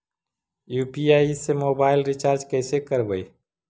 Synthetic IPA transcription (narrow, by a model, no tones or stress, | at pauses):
juːpiaːisemoːbaːɪlɾɪt͡ʃaːɾd͡ʒkɛːsekəɾbəi